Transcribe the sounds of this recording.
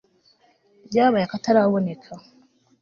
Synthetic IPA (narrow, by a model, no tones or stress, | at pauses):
jaːβajakataɾaβone̞kʰa